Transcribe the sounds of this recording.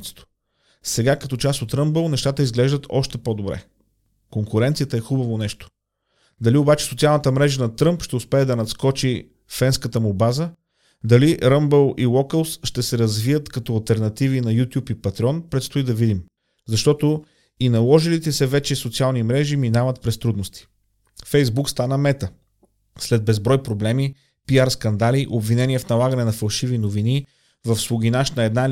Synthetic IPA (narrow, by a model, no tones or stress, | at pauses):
t̪st̪o̥ | sɛɡakɐt̪ɔt͡ʃast̪ot̪ɾəmbəlˠnɛʃt̪at̪əizɡlɛʒd̪ət̪ʰɔʃt̪ɛpod̪obɾɛ̰ | koŋkuɾɛnt̪sijət̪əɛxubəvonɛʃt̪o̥ | d̪ɐliobat͡ʃɛ̥sot̪sialˠnət̪əmɾɛʒənɐt̪ɾɤmpʃt̪ɛʊspɛːd̪ɐnɐt̪skɔt͡ʃi | fɛnskət̪əmubazə | d̪ɐliɾəmbəlˠilˠɔkəlˠsʃt̪ɛsɛɾɐzvijət̪kɐt̪ɔɐlˠt̪ɛɾnɐt̪ivinɐjut̪ʲjupipɐt̪ɾiɔnpɾɛt̪st̪oid̪ɐvid̪im | zɐʃt̪ɔt̪o | inɐlˠɔʒilit̪ɛsɛvɛt͡ʃɛsot̪sialˠnimɾɛʒiminavət̪̚pɾɛst̪ɾud̪nost̪i̥ | fɛjzbukst̪anəmɛt̪ə | slɛd̪̚bɛzbɾɔjpɾoblɛmi | piaɾskɐnd̪aliʔobvinɛnʲiɛfnɐlˠaɡənɛnɐfɐlˠʃivinovini | vɐfslʊɡ̟inaʃt̪nɐɛd̪na